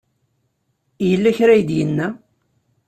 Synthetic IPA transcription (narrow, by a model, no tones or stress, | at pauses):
jəlːæçɾæjd̪jənːæ